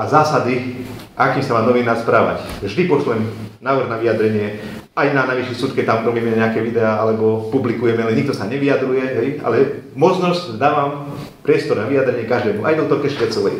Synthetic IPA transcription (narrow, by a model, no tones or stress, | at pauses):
azaːsad̪iʔakiːmsamaːnɔʋinaːrspɾaːʋa̰cvʒd̪ipɔt͡ʃluɛmnaːʋr̩ɣnaʋijad̪ɾɛɲɪɛ | ajnanajʋiʃisuːt̪kɛt̪amɾɔmiːmɛɲɛakɛʋid̪ɛaːalɛbɔpublikujɛmɛalɛɲik̚t̪ɔsaɲɛʋiad̪ɾujɛɦɛja̰lɛmɔt͡snɔscd̪aːʋam | pɾɪɛst̪ɔɾnaʋijad̪ɾɛɲɪɛkaʒd̪ɛːmuʔa̰jd̪ɔt̪ɔlkɛʃʋɪat͡sɔʋɛj